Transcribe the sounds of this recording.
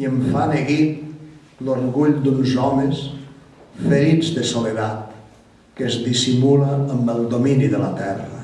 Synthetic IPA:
iəɱfaneɣit̪ | lorɣuʎd̪unzɔməs | fəɾid͡zd̪əsoleðat̪ | kəzðisimuləːmbəlˠd̪ominiðələt̪ɛrə

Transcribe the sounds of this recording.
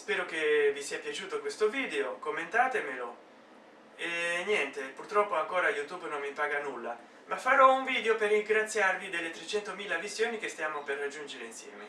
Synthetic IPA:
spɛːɾokevisiːapjat͡ʃuːt̪okwest̪oviːd̪eokomːent̪aːt̪emelo | enjɛnt̪epurt̪ɾɔpːoaŋkoːɾajut̪uːbnonmipaːɡanulːa | mafːaɾɔuɱviːd̪eoperiŋɡɾat̪sːjarvid̪elːet̪ɾet͡ʃːɛnt̪omiːlavisːjoːnikest̪jaːmoperːad͡ʒːund͡ʒeɾeinsjɛ̰ːme

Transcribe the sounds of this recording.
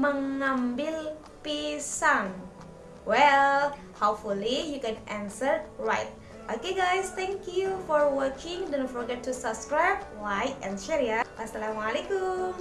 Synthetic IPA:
mə̃ŋãmbil | pisãŋ | wɛl | hapfulijukɛ̃nʔãnsəɹɹajt̚ | ʔokeɡajst̪ɛ̃ŋkjufɔɹwəkʰɪ̃ŋdɛ̃nfɔɹɡɛtːusabskɹajb̚wajtɛ̃nʃɛɾiaasalamalekum

